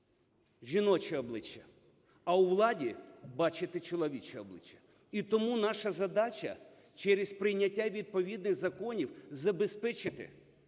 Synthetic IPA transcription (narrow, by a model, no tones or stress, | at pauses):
ʒʲinɔt͡ʃɛɔblˠɪt͡ʃːɐ | ɐwʋlˠɑdʲibɑt͡ʃɪt̪ɪt͡ʃɔlˠɔʋʲit͡ʃɛɔblˠɪ̰t͡ʃːɐ̥ | it̪ɔmunɑʃɐzɐd̪ɑt͡ʃʲɐ̰ | t͡ʃɛɾɪspɾɪjnʲɐtʲːaʋʲid̪̚pɔʋʲid̪nɪɣzɐkɔnʲiwzɐbespɛt͡ʃɪt̪ɪ̰